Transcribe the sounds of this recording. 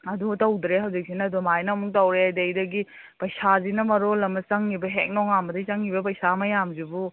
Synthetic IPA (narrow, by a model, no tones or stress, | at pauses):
ɐdutɐwd̪ɾeɦɐwd͡ʒik̚sinɐdumajnɐmuŋtɐwɾeajdɐjdɐɡi | pɐjsazinɐmɐɾolɐmɐt͡ʃɐŋːibɐɦek̚nɔŋambɐdɐt͡ʃɐŋːibɐp̬ɐjsamɐjamzibu